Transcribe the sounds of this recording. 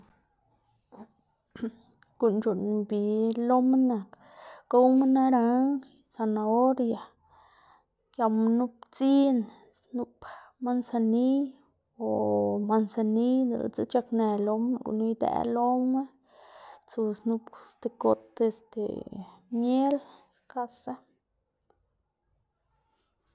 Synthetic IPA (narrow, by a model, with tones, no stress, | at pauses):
ɡ̥u˨nt͡ʃu˨n˨bi˨lo˦me˦na˨k | ka˦wme˦na˦ɾa˧˦ŋ | sa˧na˧o˦ɾja˨ | kja˧ma˧nu˦pt͡si˦n | snu˦pma˧nsa˧ni˦ | o˨ma˧nsa˧ni˦d̪o̰˨l̰t͡sḛ˦t͡ʃa˧kne˨lo˧ma˧ɡṵ˧nu˧˦jd̪ḛ˧˦lo˦me˦ | t͡su˧snu˧pst̪e˨ko˨t̪e˧st̪ḛ˨mje˦l | ka˧sa˦